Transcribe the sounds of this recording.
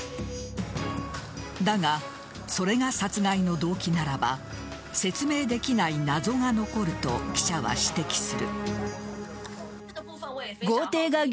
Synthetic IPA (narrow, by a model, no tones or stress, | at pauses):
d̪aŋa | so̞ɾe̞ɡasat͡sɨɡaino̞d̪o̞ːkʲinaɾaba | se̞t͡sɨme̞ːd̪e̞kʲinainazo̞ŋano̞ko̞ɾɯ̟t̪o̞̰kʲi̥ɕaβa̰ɕi̥t̪e̞kʲi̥sɨɾɯ̟̰ | ɡo̞ːt̪e̞ːɡaɡʲ